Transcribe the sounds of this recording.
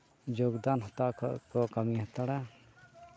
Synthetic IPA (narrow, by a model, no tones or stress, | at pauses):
d͡ʒoɡd̪anɦɔt̪akɔkəmiɦat̪aɽa